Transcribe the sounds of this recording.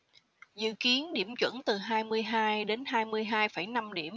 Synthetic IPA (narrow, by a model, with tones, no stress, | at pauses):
zɨ̰˧˨ki˨˦ənɗi˧˩əmt͡ɕwə̰˧˥nt̪ɨ˨˩ɦaː˧jmɨ˧əjɦaː˧jɗe˨˦nhaː˧jmɨ˧əjɦaː˧jfə˧˩jna˧mɗi˧˩əm